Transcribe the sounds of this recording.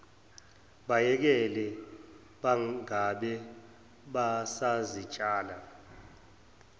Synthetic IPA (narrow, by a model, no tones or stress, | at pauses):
ɓajɛk̬ɛlɛ | ɓaaɓɛ | ɓasazit͡ʃʼaːla